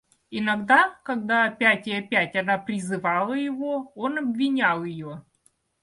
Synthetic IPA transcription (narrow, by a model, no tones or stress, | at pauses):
ɪnɐɡd̪akɐɡd̪aɐpʲætʲɪɐpʲætʲɐnapɾʲɪzɨvɑlˠəjɪvo̞o̞nɐbvʲɪnʲalˠjɪjo̞